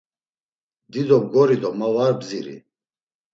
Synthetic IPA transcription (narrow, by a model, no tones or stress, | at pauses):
d̪id̪ɔbɡɔɾid̪ɔmavaɾbziɾḭ